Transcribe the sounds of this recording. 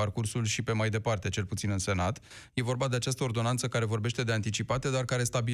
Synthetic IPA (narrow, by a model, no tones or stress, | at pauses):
arkursulʃipe̞majd̪e̞part̪e̞t͡ʃe̞lput̪sinɨnse̞nat̪ | je̞vo̞rbad̪e̞at͡ʃast̪əo̞rd̪o̞nant̪səkaɾe̞vo̞rbe̞ʃt̪e̞d̪e̞ant̪it͡ʃipat̪e̞d̪arkaɾe̞st̪abi